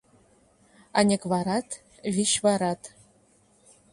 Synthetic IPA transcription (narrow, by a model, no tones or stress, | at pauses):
ɑnʲekvɑɾɑt̪ | vʲiɕvɑɾɑt̪